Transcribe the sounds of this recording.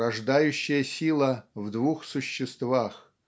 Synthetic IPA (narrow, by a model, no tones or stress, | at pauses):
ɐʐd̪ajʉɕːɪjəsʲilˠəvd̪vuxsʊɕːɪst̪vax